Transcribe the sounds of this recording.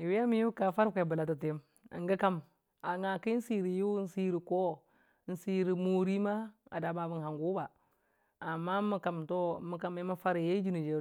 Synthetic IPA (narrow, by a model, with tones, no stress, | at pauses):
i˨wi˦a˦mi˦u˦ka˨fa˦ɾkʷe˨bə˨la˨t̬a˨te˦m | ḭ˨ŋɡi˦ka˦m | a˨ŋa˨ki˦n̩˦si˦ɾi˨ju˦n̩˦si˦ɾi˨ko˦ | n̩˦si˦ɾi˨mo˨ɾi˦ma˦a̰˨da˨ma˨bi˨nɦa˨ŋɡu˦ba˨ | a˨mːa˦mu˨ka˨mto˦˨˦mu˦ka˨me˦ma˦fa˦ɾi˨je˦d͡ʒi˦ni˨d͡ʒe˨ɾ